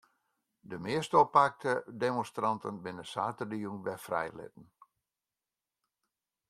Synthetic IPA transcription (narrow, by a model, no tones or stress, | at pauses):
dəmɪəstopak̚tʰədemɔ̃nstrɑntənbɪnəsaːtədiuŋʋɛfrɛ̰jlɪ̰t̚ən̩